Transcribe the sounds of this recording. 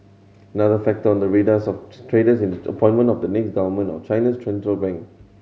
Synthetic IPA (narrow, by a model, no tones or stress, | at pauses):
ənaðəfɛk̚təɔ̃ndəɹidəsɔftʰɹedəsĩndəə̰pʰɔ̃ɪ̃nmə̃ntɔfdənɛksɡavəmə̃nɔ̰t͡ʃãjnistɹɛ̃ntɹəlbɛ̃ŋk